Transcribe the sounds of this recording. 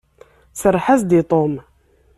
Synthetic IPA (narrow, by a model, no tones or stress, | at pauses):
səɾˤːħazd̪it̪ˤom